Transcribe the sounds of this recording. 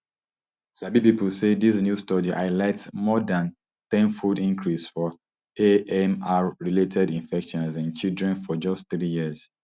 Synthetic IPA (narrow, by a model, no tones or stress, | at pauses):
sabipiplsedis̬njustɔdiʔa̰ɪlɛtmɔdãn | t̪ɛ̃nfudĩŋkʰɹisfɔ | eɛmaɹiletʰɛdĩnfɛkʃɔ̃nsɛ̃nt͡ʃildɹɛ̃nfɔd͡ʒɔstθɹijiəz